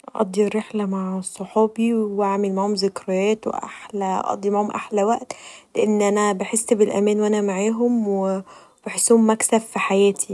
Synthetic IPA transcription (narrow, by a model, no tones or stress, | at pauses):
ʔʔɑ̰d̪ˤːirːeħlæmaʕsˤːoħɑːbiwwaʕmelmaʕhomzekɾˤɑjæːt̪wḛʔa̰ħlæʔɑ̰d̪ˤːimaʕhomʔaħlæwæʔt̪leʔenːʔænæbeħesːbelʔæ̰mæːnwʔænæmaʕaːɦomwe | b̥eħesːuhmːæksæfːiħajæːt̪ʰi